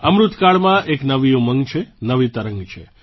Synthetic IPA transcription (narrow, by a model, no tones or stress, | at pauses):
əmɾut̪kaɭmãʔeknəʋijũməŋɡt͡ʃʰenəʋit̪əɾəŋɡt͡ʃʰḛ